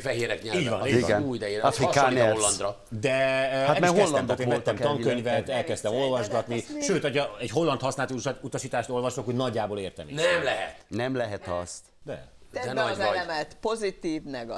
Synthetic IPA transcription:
fɛɦeːɾɛkɲɛliːɟvɒ̰niːiɡɛnuːjid̪ɛjiɒfikanolːɒnd̪rɒ | d̪ɛamɛhoɛlːɛmt̪ɔt̪eːnmɛt̪ːɛmɒŋkøɲvɛt̪ɛlkɛst̪ɛmo̞lvɒʒɡɒt̪niʃøːt̪ɒɟɒɛɟɦo̞lːɒnt̪hɒsnaːt̪iluʃat̪ut̪ɒʃiːt̪aːʃt̪o̞lvɒʃokːonɒɟːaːboleːrt̪ɛ̰mḭnɛmlɛɦɛ̰t̪nɛmlɛɦɛt̪ɒst̪ | d̪ɛ̰ɛnɔɔjɛɛt̪pozit̪iːvnɛɡɒ

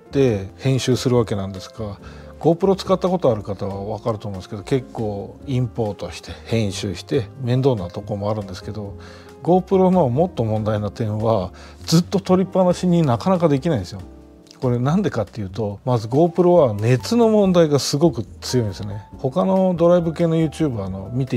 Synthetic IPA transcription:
d̪̥e̞hẽ̞ɰ̃ɕɨːsɨɾɯ̟βake̞nãnd̪e̞sɨ̥ɡa | ɡ̥o̞ːpɯ̟ɾo̞t͡sɨ̥kat̪ːako̞t̪o̞aɾɯ̟kat̪aβaβakaɾɯ̟t̪o̞mnesked̪o̞ke̞kːo̞ːĩmpo̞ːt̪o̞ɕi̥t̪ʰe̞hẽ̞ɰ̃ɕɨːɕi̥t̪e̞mẽ̞nd̪o̞ːnːat̪o̞ko̞ɾomoaɾɯ̟̃nd̪e̞sɨ̥ke̞d̪o̞ | ɡo̞ːpɯ̟ɾo̞no̞mo̞t̪ːo̞mõ̞nd̪ainat̪ẽ̞ɰ̃βa | d͡zɨt̪ːo̞t̪o̞ɾʲipːanaɕiɲ̟inakanakad̪e̞kʲinaĩd̪esɨjo | ko̞ɾe̞nãnd̪e̞kat̪ːe̞jɯ̟ːt̪o̞mazɨɡo̞ːpɯ̟ɾo̞βane̞t͡sɨno̞mõ̞nd̪aiɡasɨɡo̞kɯ̟t͡sɨjo̞ĩnd̪esɨone̞ho̞kano̞d̪o̞ɾaibɯ̟ke̞ːno̞jɯ̟ːt͡ɕɨːbaːno̞mʲit̪e

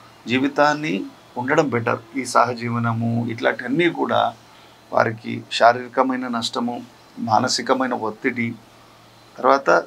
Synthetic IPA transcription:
d͡ʒiːʋit̪aːnːi | uɳɖɐɽɐmbɛʈːɐ̰ɾuiːsa̰ːɦɐd͡ʒiːʋɐnɐmuḭʈla̰ːɳʈiɐnːiːkuːɽa̰ː | ʋa̰ːɾikḭʃaːɾiːɾikɐmɐjnɐnɐʂʈɐmu | maːnɐsikɐmɐjnɐʋot̪ːiʈi | t̪ɐɾʋaːt̪ɐ

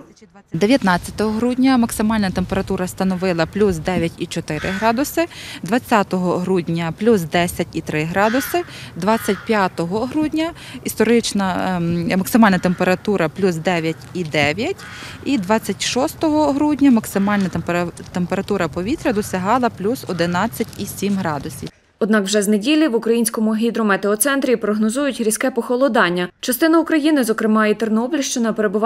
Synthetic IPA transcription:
d̪eʋʲjɐt̪nɑt͡sʲːɐ̥t̪ɔɦɔɦɾudʲnʲɐmɐksɪmɑlʲnɐt̪empeɾɐt̪uɾɐst̪ɐnɔʋɪlˠɐplʲusd̪ɛʋʲjɐtʲit͡ʃɔt̪ɪɾɪɦɾɑd̪ʊsɪd̪ʋɐt͡sʲːat̪ɔɦɔɦɾudʲnʲɐplʲusd̪ɛsʲɐtʲit̪ɾɪɦɾɑd̪ʊsɪd̪ʋɑt͡sʲːɐt̚ʲpʲjat̪ɔɦɔɦɾudʲnʲɐ | ist̪ɔɾɪt͡ʃnɐmɐksɪmɑlʲnɐt̪empeɾɐt̪uɾɐplʲusd̪ɛʋʲjɐtʲid̪ɛʋʲjɐtʲ | id̪ʋɑt͡sʲːɐtʲʃɔst̪ɔɦɔɦɾudʲnʲɐmɐksɪmɑlʲnɐpt̪empeɾɐt̪uɾɐpɔʋʲit̪ɾʲɐd̪ɔsʲɐɦɑlˠɐplʲusɔd̪ɪnɑt͡sʲːɐtʲisʲimɦɾɑd̪ʊsʲḭw | ɔd̪nɑkwʒɛznedʲilʲiʋʊkɾɐjinʲsʲkɔmʊɦʲid̪ɾʊmɛt̪eɔt̪sɛnt̪ɾʲipɾɔɦnɔzujʊtʲɦɾʲisʲkɛpɔxɔlˠɔd̪ɑnʲːɐt͡ʃɐst̪ɪnɐukɾɐjinɪzɔkɾɪmɑit̪ernɔɔblʲɪʃt͡ʃɪnɐpeɾebʊʋɑ

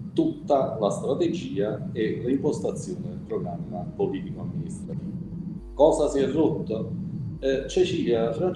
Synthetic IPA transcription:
t̪ut̪ːalast̪ɾat̪ed͡ʒiːaelimpost̪at̪sːjoːnepɾɔnaːnimapoliːt̪ikoamːinist̪ɾat̪iːvakɔːzasiɛrːot̪ːo | t͡ʃet͡ʃiːljafɾan

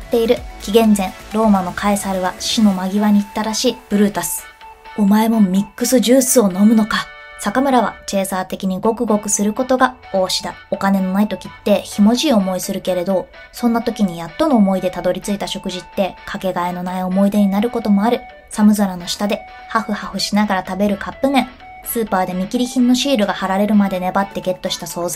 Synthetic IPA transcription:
t̪ːe̞iɾɯ̟kʲiɡẽ̞nd͡zẽ̞ɴɾo̞ːmano̞kʰaisaɾɯ̟βaɕino̞maɡʲiβaɲ̟it̪ːaɾaɕiːb̥ɯ̟ɾɯ̟ːt̪asɨ̥ | o̞mae̞mo̞mʲikːɯ̟sɨʑɨːsɨo̞no̞mɯ̟no̞ka | sakamɯ̟ɾaβ̞a̰t͡ɕe̞ːsaːt̪e̞kʲiɲ̟iɡo̞kɯ̟ɡo̞kɯ̟sɨɾɯ̟ko̞t̪o̞ɡa | o̞ːɕi̥d̪ao̞kane̞no̞nait̪o̞kʲit̪ːe̞çimo̞ʑiːo̞mo̞isɨɾɯ̟ke̞ɾe̞d̪o̞ | sõ̞nːat̪o̞kʲiɲ̟ijat̪ːo̞no̞ːmo̞id̪e̞t̪ad̪o̞ɾʲit͡sɨit̪aɕo̞kɯ̟ʑit̪ːe̞kʰake̞ɡaeno̞naio̞mo̞id̪e̞ɲ̟inaɾɯ̟ko̞t̪o̞mo̞aɾɯ̟ | samɯ̟zaɾano̞ɕi̥t̪ad̪e̞ | haɸɯ̟haɸɯ̟ɕinaɡaɾat̪abe̞ɾɯ̟kʰapːɯ̟mẽ̞ɴ̃ | sɨːpaːd̪e̞mʲikʲiɾʲiçĩnːo̞ɕiːɾɯ̟ɡahaɾaɾe̞ɾɯ̟mad̪e̞ne̞bat̪ːe̞ɡe̞t̪ːo̞ɕi̥t̪aso̞ːza

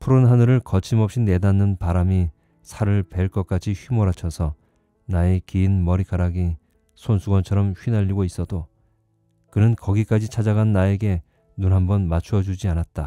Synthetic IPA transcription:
pʰuɾonɦanɯɾɯɭkʌt͡ɕʰimʌp̚ɕ͈ine̞danːɯnpaɾami | sʰaɾɯɭpe̞ɭk͈ʌk͈at͡ɕʰiɸɥimoɾat͡ɕʰʌsʰʌ | naekiːnmʌɾikʰaɾaɡi | sʰonsʰuɡwʌnt͡ɕʰʌɾʌmɸɥinaʎːiɡois͈ʌdo | kɯnɯnkʌɡik͈ad͡ʑit͡ɕʰad͡ʑaɡanːae̞ɡe̞ | nunɦambʌnmat͡ɕʰuʌd͡ʑud͡ʑianat̚t͈a

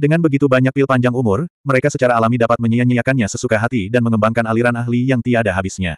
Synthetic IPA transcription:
dəŋanbəɡit̪ubaɲak̚pɪlpaɲd͡ʒaŋumʊrməɾekasət͡ʃaɾaːlamidapat̪̚məɲəjaɲəjakanɲasəsukaɦat̪idanməŋəmbaŋkanaliɾanaɦlijaŋt̪iadaɦabisɲa̰

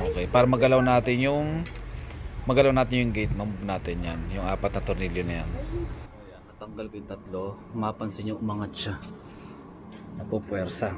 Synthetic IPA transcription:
ʔoːkɛjpaːɾɐmɐɡɐlawnaːt̪ɪnjʊŋ | mɐɡɐlawnaːt̪ɪnjʊŋɡejt̪̚mɐmubnaːt̪ɪnjanjʊŋʔa̰ːpɐt̪nɐt̪ʊɾniljonɐjanɐjanɐt̪ɐŋɡɐlkɪnt̪ɐt̪lo | mapɐnsɪɲʊŋmɐŋat͡ʃa | nɐpopwɛɾsa

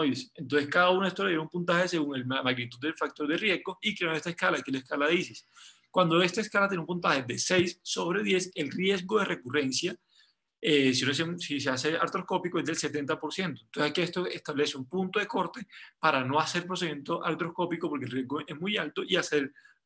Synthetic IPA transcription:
ojesent̪onseskaðaunaist̪ojajeumpunt̪̬ahe̞se̞ɣuŋelmaɣnit̪ud̪ːelfak̚t̪o̞ɾd̪erje̞zɡo̞ikeoest̪aeskalakielaeskalaðisis | kwand̪o̞e̞st̪aeskalat̪jenumpunt̪aheðe̞sejsːo̞βɾe̞ðje̞selrje̞zɡo̞ðe̞re̞kure̞nsja | esiosesisease̞aɾt̪ɾo̞sko̞pikoezd̪else̞t̪e̞nt̪apo̞ɾsje̞nt̪o̞ent̪onse̞sakeest̪oest̪aβle̞seumpunt̪oðe̞ko̞ɾt̪e̞paɾano̞ase̞ɾpɾos̬e̞imjent̪o̞ʔaɾt̪ɾo̞sko̞pikopo̞ɾkelrje̞zɡoʔezmujalt̪oʔiaseɾ

